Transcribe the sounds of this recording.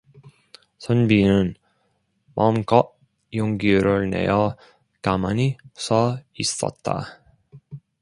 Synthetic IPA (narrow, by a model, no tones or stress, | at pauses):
sʰʌnbinɯn | mʌmkʌ | joŋɡiɾɯɭne̞̰jʌ | kamanisʰʌis͈ʌ̰t̚t͈a̰